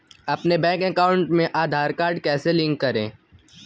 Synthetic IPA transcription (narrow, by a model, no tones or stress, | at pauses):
ɐpnebɛ̃ːŋkɛkaːʊ̃ɳʈmẽʔaːd̪ʱaːɾkaːɾɖkɛːselɪ̃ŋkːɐɾḛ̃ː